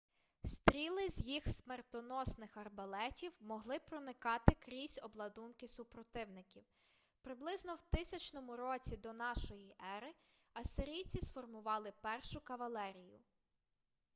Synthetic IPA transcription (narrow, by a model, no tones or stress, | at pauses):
st̪ɾʲilˠɪzʲjixsmert̪ɔnɔsnɪxɐrbɐlˠɛtʲiwmɔɦlˠɪpɾɔnɪkɑt̪ɪkɾʲisʲɔblˠɐd̪unkɪsʊpɾɔt̪ɪwnɪkʲiw | pɾɪblˠɪznɔwt̪ɪsʲɐt͡ʃnɔmʊɾɔt͡sʲid̪ɔnɑʃɔjiʔɛɾɪ | ɐsɪɾʲijt͡sʲisfɔrmʊʋɑlˠɪpɛrʃʊkɐʋɐlˠɛɾʲijʊ̰